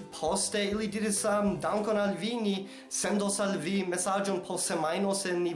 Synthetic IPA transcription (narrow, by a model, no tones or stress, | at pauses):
pʰosteilidiɾisəmdawŋkonalvini | sendosalvimesad͡ʒonpʰosemajnoseni